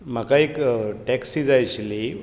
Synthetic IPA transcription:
m̤əkaekʈɛksid͡zajt͡ɕli

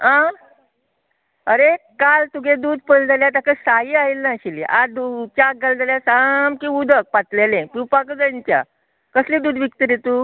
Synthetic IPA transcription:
ɦã | əɾekalt̪uɡed̪uːd̪̚pəld͡zaljat̪akəsaɦiːaɦilnaɕilḭʔad̪ut͡ɕaɡəld͡z̪aljasamkĩud̪ʱək̚pat̪lelẽpipakəd͡zənt͡ɕja̰ | kəslĩd̪uːd̪ʋik̚t̪əɾet̪uː

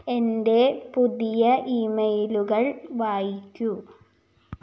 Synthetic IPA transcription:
e̞nde̞puðijɐʔimɐjluɣɐɭʋaːjikʲːu

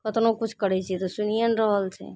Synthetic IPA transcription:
kət̪nokut͡ʃʰkəɾɛt͡ʃʰɛt̪ɔsunijənɾəɦəlt͡ʃʰɛ̰

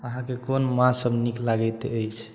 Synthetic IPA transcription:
əɦãkekonmãsəbniklaɡɛt̪eəjt͡ʃʰ

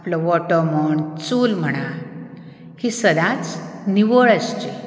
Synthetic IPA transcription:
aplɔʋɔʈəm̤əɳt͡suːlm̤əɽ̃a | hisəd̪at͡sniʋəɭəst͡ɕe

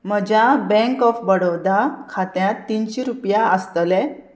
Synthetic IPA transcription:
m̤əd͡ʑabɛ̃ŋkɔfbəɽod̪akʰat̪jãt̪ːinɕiɾupjaəst̪lɛ

